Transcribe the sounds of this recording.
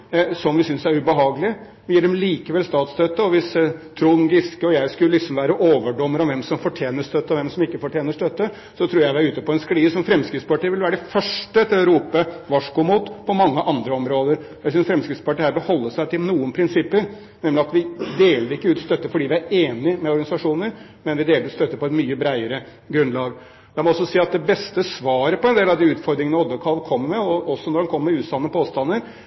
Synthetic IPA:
sɔmʋɪsʏnsæɾʉbəɦɑːɡəlɪə | ʋɪjiːɖɛmliːkəʋɛlst̪ɑːt̪st̪ʰœt̪ːəɔʋɪst̪ʰɾʊŋɡɪskəɔjæɪskʉllɪksɔmʋæːɾəʔoːʋəɖɔmːəɾɑʋɛmsɔmfɔʈʰjeːnəʂt̪œt̪ːəɔʋɛmsɔmɪkːəfɔʈʰjeːnəʂt̪œt̪ːə | sɔt̪ʰɾuːɾjæɪʋɪæɾʉːt̪əpɔɛnskɽiːəsɔmfɾɛmskɾɪt̪spɑʈiːʋɪlʋæːɾəɖɛfœʂʈəɛt̪ːɪɾɔɾuːpəʋɑʂkʊmuːt̪pʰɔmɑŋːəʔɑnd̪ɾəɔmɾoːd̪əɾ | jæsʏnsfɾɛmskɾɪt̪spɑʈɪhæːɾʋɪlhɔlːəʂæɪt̪ʰɪlnuːənpʰɾɪnsɪpːəɾ | nɛmlɪɑt̪ʋɪd̪eːləɾɪkːəʉːt̪st̪œt̪ːəfɔɖiːʋɪæɾeːnɪmɛɔɾɡɑnɪsɑʂuːnəɾ | mɛnʋɪd̪eːlɾʉːt̪st̪œt̪ːəpɔɛt̪myːəbɾæɪəɾə | ɡɾʉnlɑːɡ | d̪ɛmɔɔsːɔsiːɑt̪̚d̪ɛbɛst̪əsʋɑːɾəpɔɛnd̪eːlɑʋd̪ɪʉːt̪fɔɾd̪ɾɪŋənəɔd̪əkʰɑlʋkʰɔmːəmɛɔɔsːɔnɔɖɛnkʰɔmːəmɛʉːt̪sɑnːəpʰoːst̪ɑnːəɾ

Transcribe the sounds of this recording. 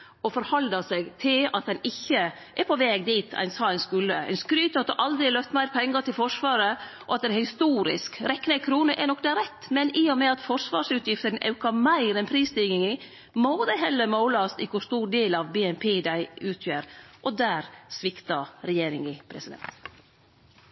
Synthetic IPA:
ɔfɔɾhɑld̪ɑsɛɡt̪ʰɪlɑt̪d̪ɛnɪçːə | ʔɛpʰɔʋɛːɡd̪iːt̪ʰæ̰ɪnsɑːæɪnskʉlːəɛ̰ɪnskɾyːt̪ɑt̪əʔɑld̪ɾɪlœft̪mæɪɾpʰɛŋːət̪ɪlfɔʂʋɑːɾəʔɔɑt̪̚d̪ɛnhɪst̪uːɾɪ̰skɾɛkːnəkʰɾuːnəʔɛnɔkːd̪ɛɾɛt̪ːmɛniːɔmɛɑt̪fɔʂʋɑːɾʂʉːt̪ʰjɪft̪əɾn̩ʔɑ̰ʉkɑmæɪɾɛnpʰɾiːst̪iːɡɪŋɪ | mod̪æɪɦɛlːəɾmoʊlɑst̪ɪkʰʊst̪uːɾɖ̪eːlɑʋbeːɛnpʰeːd̪æɪʉːt̪ʰjøːɾʔɔd̪æːɾsʋɪkt̪ɑɾɛjeːɾɪŋɪpʰɾɛsɪd̪ɛ̰nt̪

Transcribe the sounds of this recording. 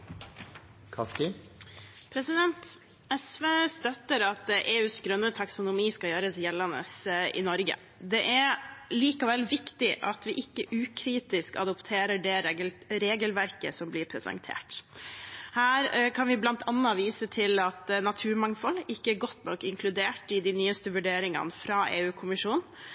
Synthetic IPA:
kʰɑskɪ | pʰɾɛsɪd̪ɛnt̪ | ɛsʋeːst̪œt̪ːəɾɑt̪ʔeːʉːsɡɾœnːət̪ʰɑksʊnʊmiːskɑjøːɾəsjɛlːɑnə̰sʔɪ̰nɔɾɡə̰ | d̪ɛʔæɾliːkəʋɛlʋɪkt̪ɪʔɑt̪ʋɪʔɪkːəʔʉːkʰɾiːt̪ɪskɑ̰d̪ɔpt̪ʰeːɾəɖɛɾɾeːɡəlʋæɾkəsɔmblɪɾpʰɾɛsɑ̰ŋt̪ʰḛːʈ | hæːɾkʰɑnʋɪblɑnt̪ʰɑnːɑʋiːsət̪ʰɪlɑt̪nɑt̪ʰʉːɾmɑŋfɔlːɪkːəæɾɡɔt̪ːnɔkːɪŋkʰlʉd̪eːʈɪd̪ɪnyːəst̪əʋʉɖeːɾɪŋɑ̰nfɾɑʔeːʉːkʰʊmɪʂuːn

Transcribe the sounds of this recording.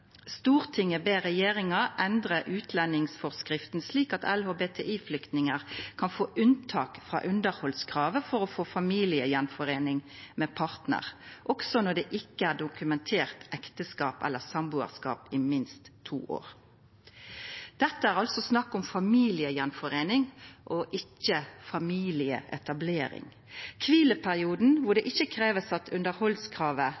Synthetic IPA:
st̪uːʁt̪ʰɪŋːəbeːʁɛjeːʁɪŋɑʔɛnd̪ʁəʔʉːt̪ʰlɛnːɪŋsfɔʁskʁɪft̪n̩sliːkɑt̪ɛlhoːbeːt̪ʰḛʔiːflʏkt̪nɪŋəʁkʰɑnfoːʔʉnt̪ʰɑːkfʁɑ̰ːʔʉnd̪əɾhɔlskʰʁɑːʋəfɔɾɔfoːfɑmiːlɪəjɛnfɔʁeːnɪŋmɛːpʰɑɾt̪nə̰ʁʔɔksɔnɔɖ̪ɛʔɪkːəæʁɖʊkʉmɛnt̪ʰeːʁt̪ɛkt̪əskɑːpɛ̰lːəsɑmbʉːə̰ʁskɑ̰ːpɪmɪnst̪ʰːṵːʔo̰ːɾ | d̪̥ɛt̪ːəæːʁɑlsɔsnɑkːʊmfɑmiːlɪəjɛnfɔɾeːnɪŋʔɔʔɪçːəfɑmiːlɪə̰ʔɛt̪ɑbleːɾɪ̰ŋ | kʰʋiːləpʰæʁɪuːd̪n̩ʋʊʁɖ̪ɛʔɪçːəkʰɾeːʋəsɑt̪ʰʉnd̪əɾhɔlskʰʁɑːʋə

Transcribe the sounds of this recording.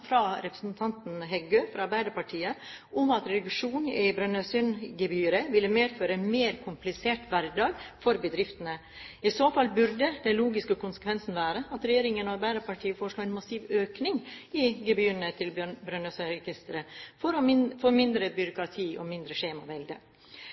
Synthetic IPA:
fɾɑɾɛpɾəsnt̪ʰɑnt̪n̩ɦɛɡøːfɾɑɑɾbæɪd̪əɾpɑʈʰiːəʔʊmɑt̪ɾɛɡʂuːnɪbɾœnøsʏnɡɛbyːɾəʋɪlːəmeːd̪føːɾəmeːɾkʰʊmplɪseːʈʋæɾdɑːɡfɔɾbəd̪ɾɪft̪ənə | ɪsoːfɑlbʉɾɖ̪əd̪ɛnluːɡɪskəkʰʊnsə̥kʰʋɛnsn̩ʋæːɾəɑt̪ɾɛjeːɾɪŋənɔɑɾbæɪd̪əɾpɑʈʰiːəfoːɾəʂɭoːɛnmɑsiːʋøːknɪŋɪɡɛbyːəɳət̪ʰɪlbbɾœnəsɾɛɡɪst̪əɾəfɔɾɔfoːmɪnd̪ɾəbʏɾʊkɾɑt̪ʰiːʔɔmɪnd̪ɾəʂeːmɑʋɛld̪ə

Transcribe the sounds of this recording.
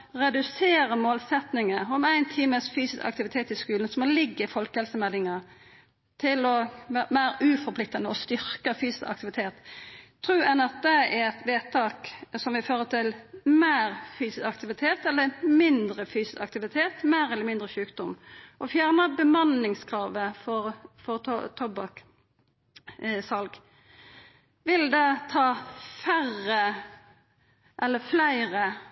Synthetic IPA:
ʁɛd̪ʉseːɾəmoːlsɛt̪nɪŋəɔmæɪnt̪ʰiːməsfyːsɪskɑ̰k̚t̪ɪʋɪt̪ʰeːt̪ɪskʉːln̩sɔmɔlɪɡːəɪfɔlkəhɛlsəmɛlːɪŋə | t̪ʰɪlɔʋæːmæːɾʔʉːfɔpʰlɪk̚t̪ɑnəɔst̪ʏɾkəfyːsɪ̥skɑ̰k̚t̪ɪʋɪt̪ʰeːt̪ʰː | ɾʉːɛnæʁd̪eːæɾɛt̪ʋeːt̪ʰɑːksɔmʋɪføːʁət̪ʰɪlmeːɾfyːsɪsɑkt̪ɪʋɪt̪ʰeːt̪ɛlːəmɪnd̪ʁəfyːsɪsɑk̚t̪ɪʋɪt̪ʰeːt̪meːɾɛlːəɾmɪnd̪ɾʁəʃʉːkd̪ʊmʔɔfjæːʁnəbəmɑnɪŋskʰʁɑːʋəfɔʁfɔʁt̪ʰɔbɑk | sɑlɡ | ʋɪld̪ɛt̪ʰɑːfæʁə | ʔɛlːəflæɪʁə

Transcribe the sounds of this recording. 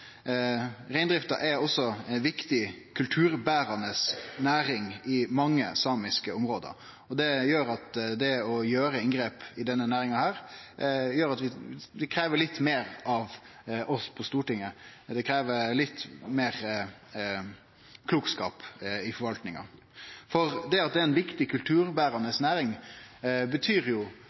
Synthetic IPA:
ɾæɪnd̪ɾɪft̪ɑʔɛɔsːɔnʋɪkt̪ɪkʰʉlt̪ʰʉːɾbæːɾɑnəsnæːɾɪŋɪmɑŋːəsɑːmɪskəɔmɾoːd̪ə̰ɾ | ɔd̪ɛjøːɾɑt̪d̪ɛɔjøːɾəɪŋɡɾeːpɪd̪ɛnːənæːɾɪŋɑhæːɾ | jøːɾɑt̪ʋɪd̪ɛkʰɾeːʋəɭɪt̪ːmeːɾɑʋ | ɔspʰɔst̪uːʈɪŋːəd̪ɛkʰɾeːʋəlɪt̪ːmeːɾ | kʰluːkskɑ̰ːpɪfɔɾʋɑlt̪nɪŋɑ̰ | fɔʁd̪ɛɑt̪̚d̪ɛɛɪnʋɪkt̪ɪkʰʉlt̪ʰʉːɾbæːɾɑnəsnæːɾɪŋ | bət̪ʰyːɾjʊ

